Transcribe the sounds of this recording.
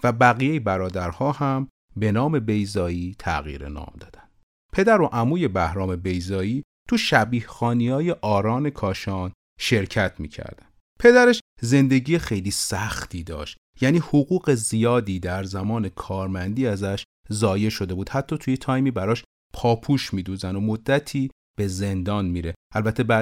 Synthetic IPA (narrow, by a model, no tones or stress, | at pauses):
væbæɣijejebæɾɒːd̪æɾhɒːhæm | be̞nɒːme̞be̞jzɒːiːt̪ʰæ̰ɣḭːɾḛnɒ̰ːmd̪ɒ̰ːd̪æ̥nd̪ | pʰe̞d̪æɾo̞ʔæmuːje̞bæhɾɒːme̞be̞jzɒːiːt̪ʰuʃæbiːhxɒːniɒːje̞ʔɒːɾɒːne̞kʰɒːʃɒːn | ʃe̞ɾcʰæt̪ʰmḭːcʰæ̰ɾd̪̥æn | pʰe̞d̪æɾeʃze̞nd̪e̞ɟiːjexe̞jliːsæxt̪ʰiːd̪ɒ̰ːʃt̪ | jæːniːhoɣuːɣe̞zijɒːd̪iːd̪æɾzæmɒːne̞kʰɒːɾmænd̪iːæzæʃ | zɒːje̞ʃo̞d̪e̞buːd̪hæt̪ʰːɒːt̪ʰujet̪ʰɒːjmiːbæɾɒːʃ | pʰɒːpʰuːʃmiːd̪uːzæno̞mod̪ːæt̪ʰiː | b̥e̞ze̞nd̪ɒːnmiːɾe̞ʔælbæt̪ʰːebæ